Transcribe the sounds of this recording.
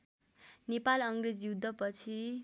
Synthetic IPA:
nepalʌŋred͡zjud̪ʱːʌpʌt͡sʰi

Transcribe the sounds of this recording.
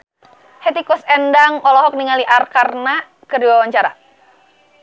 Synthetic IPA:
hɛt̪ikɔsɛndaŋɔlɔɦɔk̚niŋaliʔarkarna | kərdiwawaɲt͡ʃaɾa̰

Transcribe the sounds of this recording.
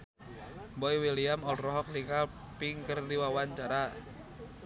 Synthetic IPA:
bɔiwiliamɔlrɔɦɔk̚lika | piŋkərdiwawaɲt͡ʃaɾa

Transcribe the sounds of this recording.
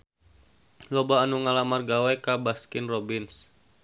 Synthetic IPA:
lɔbaːnuŋalamarɡawɛkabaskɪnrɔbins

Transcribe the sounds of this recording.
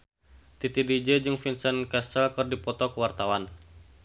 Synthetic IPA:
t̪it̪idid͡ʒed͡ʒɨŋfinsənkɛsəlkɨrdipɔt̪ɔkəwart̪awan

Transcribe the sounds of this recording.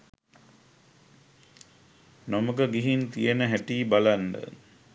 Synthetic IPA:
noməkəɡiɦint̪ijənəɦæʈiːbaland̪ə̰

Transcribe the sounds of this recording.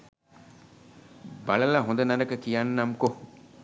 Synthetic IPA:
bɐɭɐlaɦõnd̪ɐnɐnɐkəkijanːamko

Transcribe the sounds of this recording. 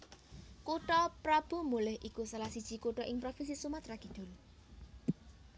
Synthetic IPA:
kuʈɔpɾab̥ṳmulɪhʔikusalahsid̥ʒ̥i̤kuʈɔʔɪŋpɾofis̬isumat̪ɾaɡ̥i̤d̪̥ṳl

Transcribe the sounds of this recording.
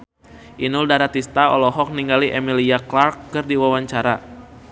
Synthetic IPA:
ʔinʊldaɾat̪ist̪aɔ̰lɔɦɔk̚niŋɡaliʔɛmiliaklarkːɨrdiwawaɲt͡ʃaɾa

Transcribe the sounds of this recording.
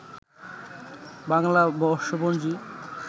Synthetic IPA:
baŋlabɔɾʃobond͡ʑi

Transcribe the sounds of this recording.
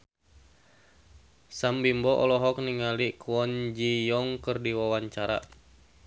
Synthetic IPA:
sambimbɔʔɔ̰lɔɦɔk̚niŋalikuwɔnd͡ʒijɔŋkərdiwawaɲt͡ʃaɾa̰

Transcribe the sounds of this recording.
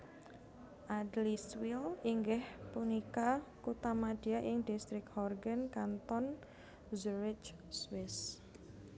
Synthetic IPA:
ʔadliswiliŋɡɪhpunikakut̪amad̥iaʔɪŋdist̪ɾɪkhɔrɡənkant̪ɔn | zuɾɪt͡ʃ | swɪs

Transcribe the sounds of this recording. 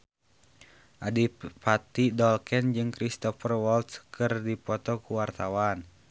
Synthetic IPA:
ʔadipat̪idɔlkɛnd͡ʒɨŋkɾist̪ɔfərwɔlt̪skɨrdipɔt̪ɔkuwart̪awan

